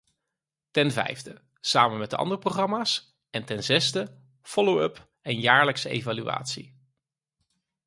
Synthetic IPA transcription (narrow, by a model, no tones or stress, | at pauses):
tɛnvɛ̰jvdə | saːmənmɛt̚də̰ʔɑ̰ndərəproχrɑmaːs | ɛntɛnzɛzdə | fɔlowɵp | ɛnjaːɹləksəḛjvalyʋa̰ːtsḭ